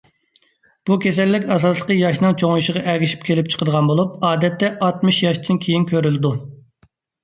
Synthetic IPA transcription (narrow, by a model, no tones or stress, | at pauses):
b̥ukʲʰesɛlːɪkʲɑsɑslˠəqəjɑʃnɨŋt͡ʃʰoŋuʃəʁɑʔɛɡʲiʃi̥p̚kʲʰelɪp̚t͡ʃʰə̥qʰəd̪əʁɑnbolˠup̚ɑːd̪ɛt̪ːɛʔɑt̪mɨʃjɑʃt̪ʰɨnkʲʰejinkʲøɾylɪd̪u